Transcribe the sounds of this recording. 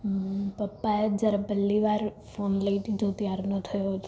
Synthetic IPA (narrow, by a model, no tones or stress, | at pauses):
pəpːaed͡ʒəɾapəlːiʋaɾ | fonləiʈit̪ot̪jaɾnõt̪ʰəjoɦt̪